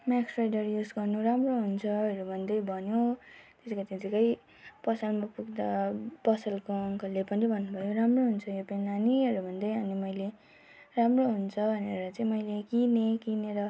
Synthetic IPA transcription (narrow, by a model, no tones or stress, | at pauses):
maksrajɖʌrjud͡zɡʌrnuramroɦunt͡sʰʌʌɾubʱʌnd̪ʌjbʱʌnjot̪esikat̪et̪ikʌj | pʌsʌlmapuɡd̪apʌsʌlkoʌŋkʌlepʌnibʱʌnːubʱʌjoramroɦunt͡sʰʌjopenaniʌɾubʱʌnd̪ʌjʌnimʌjle | ramroɦunt͡sʰʌbʱʌneɾʌt͡sãĩmʌjlekinekineɾʌ